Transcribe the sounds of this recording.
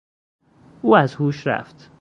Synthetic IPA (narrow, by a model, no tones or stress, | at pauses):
ʔuːæzhuːʃɾæ̰ft̪